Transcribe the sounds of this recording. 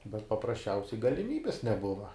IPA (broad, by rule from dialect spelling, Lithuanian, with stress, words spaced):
bʲɛt pɐprɐsʲˈt͡ʃʲɛʊsʲɛɪ ɡɐlʲɪˈmʲiːbʲɪs nʲɛˈbʊʋɐ